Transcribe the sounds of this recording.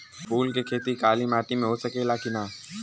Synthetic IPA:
pʰuːlkekʰeːt̪ikaːlimaːʈimẽɦoːsɐkelaːkinaː

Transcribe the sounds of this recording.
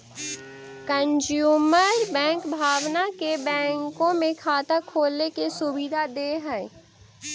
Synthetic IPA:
kə̃nd͡ʒjuːməɾbɛ̃ːŋkbʱaːʋnakebɛ̃ːŋkõmẽkʰaːt̪akʰoːlnekesʊbid̪ʱad̪eːɦɛː

